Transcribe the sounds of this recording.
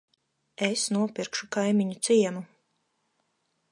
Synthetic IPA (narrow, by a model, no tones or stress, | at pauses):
esnuɔpʲiɾkʃukajmiɲut̪siɛnu